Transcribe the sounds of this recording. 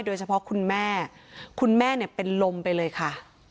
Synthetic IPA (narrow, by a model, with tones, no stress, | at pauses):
jdoː˧jt͡ɕʰa˧pʰɔ˦˥kʰu˧nmɛː˥˩kʰu˧nmɛː˥˩ni˥˩ɐpe˧nlo˧mpa˧jlɤː˧jkʰa˥˩